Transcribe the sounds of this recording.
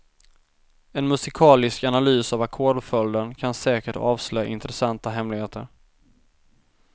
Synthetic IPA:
ɛnmɵsɪkʰɑːlɪskanalyːsavakʰɔɖfœld̪ənkʰansɛːkəʈɑːvslœja̰ʔɪ̰nt̪ɾɛsant̪aɦɛmlɪɡheːt̪əɾ

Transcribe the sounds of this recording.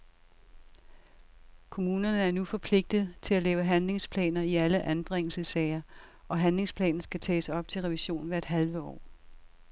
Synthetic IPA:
kʰo̝muːnɐnəæɐnufɒ̽pʰle̝ɡ̥̚d̥ð̩ˠt͡sʰe̝lælɛːʊəɦænle̝ŋspʰlɛ̰ːnɐiæləʔænb̥ʁeŋl̩səsɛɪɐ | ʔɒ̽ɦænle̝ŋspʰlɛ̰ːn̩sɡ̥æt͡sʰɛ̰ːsɑɒ̽b̥̚t͡sʰe̝lʁɛʋiɕo̝̰ːn̩ʋæɐd̥ɦælʋəɒ̰ː

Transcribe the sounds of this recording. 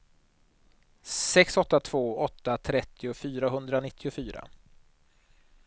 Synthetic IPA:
sɛksɔt̪ːat̪ʰv̥oːɔt̪ːat̪ʰɾɛt̪ːɪʊfyːɾaɦɵnd̪ɾanɪt̪ʰːɪʊfyːɾa̰

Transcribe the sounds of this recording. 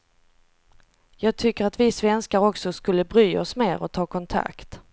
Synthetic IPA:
jɑːɡ̚t̪ʰʏkːəɾat̪vɪsvɛnskaɾɔksɔskɵlːəbɾyːɔsmeːɾɔt̪ʰɑːkʰɔnt̪ʰa̰kt̪

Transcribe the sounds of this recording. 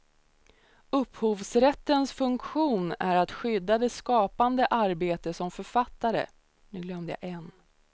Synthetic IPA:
ɵphuːvsɾɛt̪ːənsfɵŋkɧuːnæɾat̪ɧʏd̪ːad̪ɛskɑːpand̪əʔaɾbeːt̪əsɔmfœɾfat̪ːaɾə̰ | nʉ̟ːɡlœmd̪əja̰ʔɛn

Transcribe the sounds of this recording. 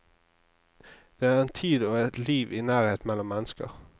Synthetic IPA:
d̪̥ɛæʁɛnt̪ʰiːd̪ɔɛt̪liːʋɪnæːʁheːt̪mɛlːɔmːɛnəskə̰ʁ

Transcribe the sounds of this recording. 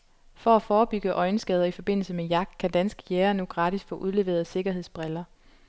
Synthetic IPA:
fɒ̽æfɒːb̥yɡ̥əʔɒ̽ɪnəsɡ̥ɛð̞ˠɐifɒ̽b̥e̝n̰l̩səmejɑ̈ɡ̥̚d̥kʰæd̥ænsɡ̥ə̥jæːɐnuɡ̥ʁɑ̈ːd̥ʰisfɔ̰̽ːʔuðˠle̝ʋe̝ːɐðˠse̝ɡ̥ɐɦe̝ð̰ˠsb̥ʁɛlɐ

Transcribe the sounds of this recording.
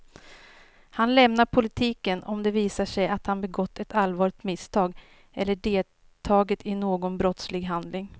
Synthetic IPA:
hanlɛmnaɾpʰʊlɪt̪ʰiːkənɔmd̪ɛviːsaʂɛjat̪hanbɛɡɔt̪ːɛt̪alvɑːɭɪt̪mɪst̪ʰɑːɡ | ɛlːəɖeːl | t̪ʰɑːɡət̪ʰɪnoːɡɔnbɾɔt̪slɪɡɦand̪lɪŋ

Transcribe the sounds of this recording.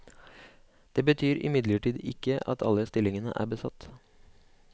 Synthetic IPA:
d̪̥eːbət̪ʰyːɾɪ̰mɪd̪ləʈiːd̪ɪkəʔɑt̪ʰɑ̰ləst̪ɪlɪŋənə̰ʔæ̰ːbəsɑt̪

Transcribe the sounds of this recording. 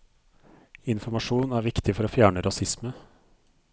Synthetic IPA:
ɪnfɔmɑʂuːnæːɾʋɪkt̪ʰɪfɔɾoːfjæːɳəɾʔɑsɪsmə

